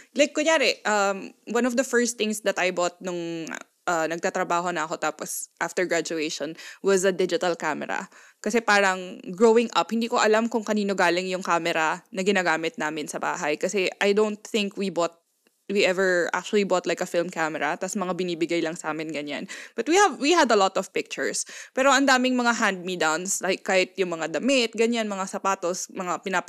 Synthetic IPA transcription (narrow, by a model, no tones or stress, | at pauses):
lajkːʊɲaːɾɛʔɐmwɐ̃nɔvd̪ɐfɛɹst̪ɪŋsd̪ɐt̪ɐjbot̪̚nʊŋ | ʔɐnɐɡ̚t̪aːt̪ɾɐbaːɦo̞nɐɐko̞t̪aːposʔaft̪ɛɹɡɹad͡ʒʊejʃɔnwɐzɐd̪ɪd͡ʒɪt̪ɐlkamɛ̰ɾɐ̰ | kɐsɛpaːɾɐŋɡɹowɪŋʔɐ̰phɪnd̪iːkoʔɐlamkʊŋkɐniːno̞ɡaːlɪŋjʊŋkaːmɛɾɐnɐɡɪnaːɡaːmɪt̪̚naːmɪnsɐba̰ːɦɐjkɐsɛʔɐjd̪ownt̪̚θɪ̃ŋkwibɔt̪̚ | wiʔɛvɛɹʔa̰k̚t͡ʃʊɐlibɔt̪lajkɐfɪlmkamɛɾɐt̪asmɐŋabɪniːbɪɡajlɐŋsaːmɪnɡɐɲa̰nb̥ɐt̪̚wihɐvwihɐd̪ɐlɔt̪ɔv̥pɪk̚t͡ʃʊɹspɛːɾo̞ʔɐnd̪aːmɪŋmɐŋaɦãnd̪̚mid̪awnslaɪkːaːhɪt̪̚jʊŋmɐŋad̪ɐmɪt̪̚ɡɐɲanmɐŋasɐpaːt̪osmɐŋapɪnap